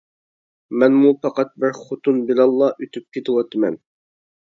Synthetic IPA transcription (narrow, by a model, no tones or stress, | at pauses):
mɛnmupʰɑqɑt̪̚bɪɾχot̪ʰunbɪlɑlˠːɑʔyt̪ʰyp̚kʲʰet̪ʰɪwɑt̪ʰɨmɛ̰n